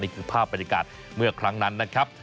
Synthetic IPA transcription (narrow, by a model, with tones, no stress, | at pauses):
niː˥˩kʰɯː˧˩pʰaː˥˩p̚ːa˧njaː˧ka̰ː˨˩t̪̚ | mɯ˥˩ɐkʰɾa˦˥ŋna˦˥nːa˦˥kʰɾa˦˥p̚